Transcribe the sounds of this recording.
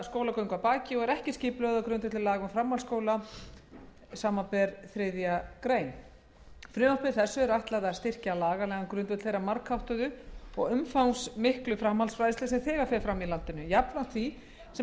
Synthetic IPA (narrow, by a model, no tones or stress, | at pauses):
skoːwlakœwŋkvapaːcɪɔɣɛɾɛhcɪscɪːplœɣðawkɾʏnt̪vɛt̪ɪlaːɣʏmfɾamhalskoːwla | saːmapɛɾθɾeːjðjakɾeːjn | fɾʏːmapɪɾ̥θɛsːʏɛɾajht̪laðast̪ɪr̥calaːɣalɛɣankɾʏnvʏt̪θejɾramaɾkhawht̪ʏðʏɔ̰ɣʏmfawŋsmɪhklʏfɾamhalsfɾajðɪst̪ɪsɛmθɛːɣafɛɾfɾamilant̪ɪnʏjapnan̥t̪ʰθi | sɛ